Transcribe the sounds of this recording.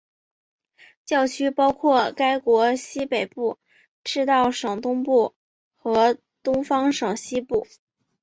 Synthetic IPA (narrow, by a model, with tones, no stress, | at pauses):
t͡ɕjɑ˥˩ʊt͡ɕʰy˥pɑ˥ʊkʰwɔ˥˩ka˥ɪkwɔ˧˥ɕi˥pe˨˩ɪpu˥˩ | ʈ͡ʂɻ̩˥˧t̪ɑ˥˩ʊʂɤ˨˩ŋt̪ʊ˥ŋpu˥˩ | xɤ˧˥ | t̪ʊ˥ŋfɑ˥ŋʂɤ˨˩ŋɕi˥pu˥˩